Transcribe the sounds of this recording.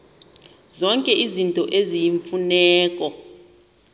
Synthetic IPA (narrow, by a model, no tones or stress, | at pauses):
zɔŋkʼɛʔizintʼɔʔezijiɱfunɛːkʼɔ